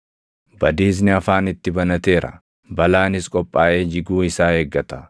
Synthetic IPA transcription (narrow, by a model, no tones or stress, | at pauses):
bɐd̪iːs̬nɪɐfaːnɪt̪ːɪbɐnɐt̪e̞ːɾʔɐ̰ | bɐlaːnɪskʼɔpʼːaːʔe̞ːd͡ʒɪɡuːɪsaːheːɡːɐt̪ɐ